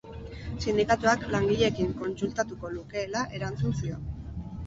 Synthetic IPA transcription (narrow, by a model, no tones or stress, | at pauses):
sind̪ikat̪uaklaŋɡiʎe̞kiŋko̞nsult̪at̪uko̞luke̞ːlaʔe̞ɾant͡sunsio̞n